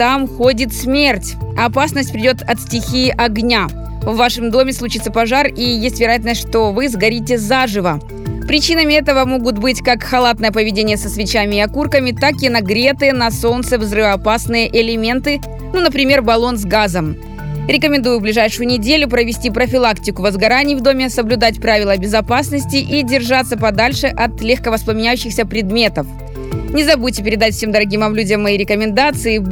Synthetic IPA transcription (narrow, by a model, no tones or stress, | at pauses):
t̪amxodʲɪt̪smʲertʲɐpasnəsʲt̚ʲpɾʲɪdʲo̞t̪ɐt̪sʲtʲɪxʲiʔɐɡnʲa | vːaʂɨmd̪o̞mʲɪslˠʊt͡ɕit̪səpɐʐarijesʲtʲvʲɪɾɐjat̪ʲɪlnəsʲt̪ʲʂt̪ovɨzɡɐɾʲitʲɪzaʐɨvə | pɾʲɪt͡ɕinəmʲɪɛt̪əvəmo̞ɡʊt̪bɨtʲkakxɐlˠat̪nəjəpəvʲɪdʲenʲɪjəsəsvʲɪt͡ɕamʲɪɪɐkurkəmʲɪt̪akɪnɐɡɾʲe̞t̪ɨnɐso̞nt̪səvzrɨvəɐpasnɨjəʔɪlʲɪmʲe̞nt̪ɨ | nunəpɾʲɪmʲe̞rbɐlˠo̞nzɡazəm | ɾʲɪkəmʲɪnd̪ujʊblʲɪʐajʂʊjʊnʲɪdʲelʲʊpɾəvʲɪsʲtʲipɾəfʲɪlˠaktʲɪkʊvəzɡɐɾanʲɪjvd̪o̞mʲɪsəblʲʉd̪atʲpɾavʲɪlˠəbʲɪzɐpasnəsʲtʲɪʔidʲɪrʐat̪sːəpɐd̪alʲʂɨʔɐt̪lʲexkəvəsplˠəmʲɪnʲæjʉɕːɪxsʲəpɾʲɪd̪mʲe̞t̪əf | nʲɪzɐbutʲɪpʲɪɾʲɪd̪atʲfsʲemd̪əɾɐɡʲimɐmlʲudʲəmːɐjiɾʲɪkəmʲɪnd̪at̪sɨɪ